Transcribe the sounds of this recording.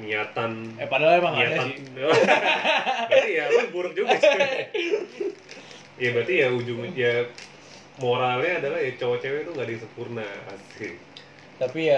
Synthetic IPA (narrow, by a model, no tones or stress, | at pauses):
miɲat̪anpadalamaiaa | bat̪ijaanbuɾʊk̚d͡ʒuɡas | jabɾat̪ijaud͡ʒʊmja | moɾalɲaːdalahjat͡ʃowat͡ʃewɛt̪uŋɡadaŋsəmpurnaa̰sɪl | t̪apija